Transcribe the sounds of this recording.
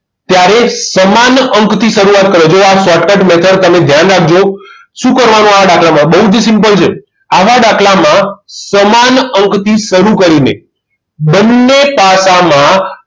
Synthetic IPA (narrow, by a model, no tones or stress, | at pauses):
t̪jaɾesəmanəŋkt̪ʰiʃəɾuat̪̚kəɾod͡ʒoasʋaʈkəʈmɛt̪ʰəɽt̪əmed̪ʱjanɾak̚ʰd͡ʒo | ʃũkəɾʋanũaʋaɖakʰɭamãbəɦud͡ʒsɪmpəlt͡ʃʰe | aʋaɖakʰɭamãsəmanəŋkt̪ʰiʃəɾukəɾinḛ | bənːepasamã